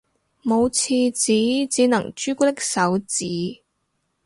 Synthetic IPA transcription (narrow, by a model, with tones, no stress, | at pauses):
mo˨˧wt͡sʰiː˧t͡siː˨˥t͡siː˨˥nɐ˨˩ŋt͡ʃyː˥ku˥t̪̬ɪ˥k̚sɐ˨˥wt͡siː˨˥